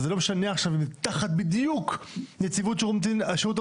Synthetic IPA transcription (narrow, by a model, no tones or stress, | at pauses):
zelomeʃaneaχʃavimt̪aχat̪̚bid̪jukjet͡sivut̪ʃeʁumt̪iʃeut̪̬